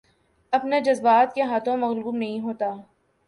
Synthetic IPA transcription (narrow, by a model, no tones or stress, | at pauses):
ɐpned͡ʒɐzbaːt̪̚keɦaːt̪ʰõmɐɣluːbnɐɦĩɦoːt̪aː